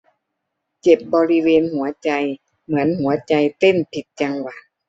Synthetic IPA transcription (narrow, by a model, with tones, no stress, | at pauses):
t͡ɕe˨˩p̚bɔː˧ɾi˦˧weː˧nhu˩˦ɐt͡ɕa˧j | mɯ˩˦ənɦu˩˦ɐt͡ɕa˧jt̪e˧˥˩npʰi˨˩t̪̚t͡ɕa˧ŋwa˧˩